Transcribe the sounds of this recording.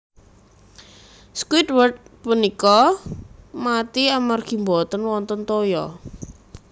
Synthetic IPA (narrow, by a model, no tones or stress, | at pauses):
skwit̪̚wərt̪̚punikɔ | mat̪iamarɡ̥i̤mbɔt̪ənwɔnt̪ɔnt̪ojɔ̰